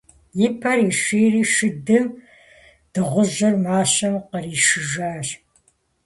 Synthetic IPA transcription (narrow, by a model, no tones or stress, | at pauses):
jɪpʰɐɾiːʃʷiːriːʃɨdɨm | d̥ɨʁʷʊʑɨrmaːɕɐmqəriːʃɨʒaːɕ